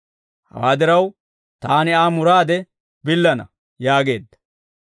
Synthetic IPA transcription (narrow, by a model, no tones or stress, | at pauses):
hɐ̰waːd̪ɪɾɐw | t̪aːnɪaːmʊɾaːd̪ɛ | bɪlːɐnɐ̰ | jaːɡe̞ːd̪ːɐ̥